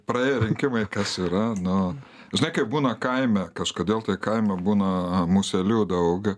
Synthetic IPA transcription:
pɾɐeːjɛɾʲɪŋʲkʲɪmɐɪkɐsiɾɐnʊ | ʒʲɪnɐɪkɐɪbuːnɐkɐɪmʲɛkɐʃkoːd̪ʲeːlˠt̪ɐɪkɐɪmʲɛbuːnɐmuːsʲɛlʲuːd̪ɐʊɡ

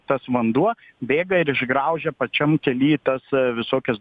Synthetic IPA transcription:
t̪ɐsʋɐnd̪uɔ | bʲeːɡɐɪɾɪʒɡɾɐʊʒʲɛpɐt͡ʃʲɛmkʲɛlʲiːt̪ɐsʋʲɪsoːkʲɛs

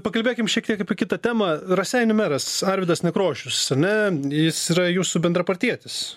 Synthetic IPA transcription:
pɐkɐlʲbʲeːkʲɪmʃʲiɛk̚t̪iɛkːɐpʲiɛkʲɪt̪ɐt̪ʲæːmɐɾɐsʲɛɪnʲʊmʲæɾɐsɐɾʲʋʲɪd̪ɐsnʲɛkɾoːʃʲʊsɐnʲɛjɪsiːɾɐjuːsʊbʲɛnd̪ɾɐpɐɾʲt̪ʲiɛt̪ʲɪs

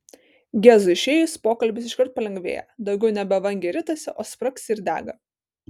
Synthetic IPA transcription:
ɡʲæːzʊɪʃʲeːjʊspoːkɐlʲbʲɪsɪʃkɐɾt̪̚pɐlʲɛŋɡʲʋʲḛːjɛ̰d̪ɒʊɡʲɛʊnʲɛbʲɛʋɐŋʲɡʲɛɾʲɪt̪ɐsʲɛʔoːspɾɐksʲɪɾd̪ʲæ̰ːɡɐ

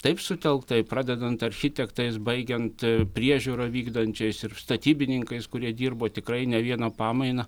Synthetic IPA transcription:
t̪ɐɪpsʊt̪ʲɛlˠkt̪ɐɪprɑːd̪ʲɛd̪ɐnt̪ɐɾʲxʲɪt̪ʲɛkt̪ɐɪsbɐɪɡʲɛnt̪pʲɾʲiɛʒʲuɾɐʋʲiːɡd̪ɐnʲt͡ʃʲɛɪsɪrst̪ɐt̪ʲiːbʲɪnʲɪŋkɐɪskʊɾʲiɛd̪ʲiːrboːt̪ʲɪkɾɐɪnʲɛʋʲiɛnɐpɑːmɐɪnɐ

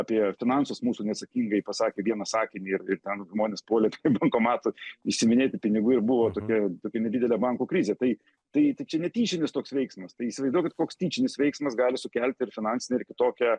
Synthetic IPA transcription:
ɑːpʲiɛfʲɪnɑnsosmuːsunʲɛɐt̪sɐkʲiŋɡɐɪpɐsɑːkʲeʋʲiɛnɐsɑːkʲɪnʲiːɪrɪrt̪ʲɛnʒmoːnʲeːspoːlʲɛpʲbɐŋkoːmɑːt̪ʊɪʃʲsʲɪmʲɪnʲeːt̪ʲɪpʲɪnʲɪɡuɪɾbʊʋoːt̪oːkʲɛt̪oːkʲɛnʲɛdʲid̪ʲɛlʲɛbɑŋkuːkɾʲizʲeːt̪ɐɪ | t̪ɐɪt̪ɐɪt͡ʃʲɛnʲɛt̪ʲiːt͡ʃʲɪnʲɪst̪oːksʋʲɛɪksmɐst̪ɐɪisʲɪʋɐɪzd̪uɔjkɪt̪koːkst̪ʲiːt͡ʃʲɪnʲɪsʋʲɛɪksmɐsɡɑːlʲɪsʊkʲɛlʲt̪ʲɪɾfʲɪnɑnʲsʲɪnʲɛɪɾkʲɪt̪oːkʲɛː

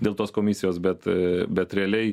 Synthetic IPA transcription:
d̪ʲeːlˠt̪oːskoːmʲɪsʲɪjoːsbʲɛt̪bʲɛt̪ɾʲɛɐlʲɛɪ

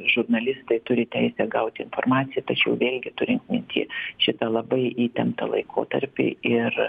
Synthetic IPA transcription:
ʒʊrnɐlʲɪst̪ɐɪt̪ʊɾʲɪt̪ʲɛɪsʲɛɡɐʊt̪ʲɪɪnfo̰rmɑːt̪sʲɪjɛt̪ɐt͡ʃʲɛʊʋʲeːlʲɡʲɪt̪ʊɾʲɪŋkmʲɪnʲt̪ʲḭːʃʲɪt̪ɐlˠɐbɐɪiːt̪ʲɛmpt̪ɐ̰lˠɐ̰ɪkʰo̰ːt̪ɐɾʲpʲɪ̰ɪr

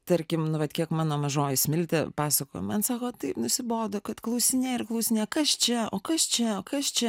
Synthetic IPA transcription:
t̪ɐɾʲkʲɪmnʊʋɐt̪kʲiɛkmɑːnoːmɐʒoːjɪsʲmʲɪlʲt̪ʲɛpɑːsɐkoːjo̰mɐnsɑːkoːt̪ɐɪpnʊsʲɪboːd̪oːkɐt̪klˠɐʊsʲɪnʲeːɪrklˠɐʊsʲɪnʲeːkɐst͡ʃʲɛo̰ːkɐst͡ʃʲɛoːkɐst͡ʃʲɛ

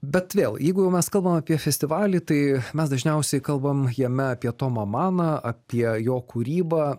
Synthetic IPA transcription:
bʲɛt̪ʋʲeːlˠjɛɪɡʊjɛʊmʲɛskɐlˠbɐmɐpʲiɛfʲɛsʲt̪ʲɪʋɑːlʲit̪ɐɪmʲɛsd̪ɐʒʲnʲɛʊsʲɛɪkɐlˠbɐmjɛmʲɛɐpʲiɛt̪oːmɐmɑːnɐɐpʲiɛjoːkuːɾʲiːbɑː

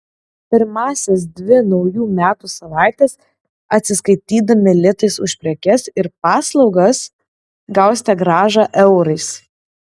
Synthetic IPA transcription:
pʲɪɾmɑːsʲɛs̬d̪ʲʋʲɪnɒʊjuːmʲæːt̪usɐʋɑˑɪt̪ʲɛs | ɐt̪ʲsʲɪskɐɪt̪ʲiːd̪ɐmʲɪlʲɪt̪ɐɪsʊʃʲpʲɾʲɛkʲɛsɪɾp̚ɑːslˠɒʊɡɐs | ɡɐʊsʲt̪ʲɛɡɾɑːʒɑʔɛʊɾɐɪs

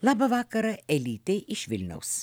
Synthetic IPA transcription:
lˠɑːbɐʋɑːkɐɾɐɛlʲiːt̪ʲeːʔɪʃʋʲɪlʲnʲɛ̰ʊs

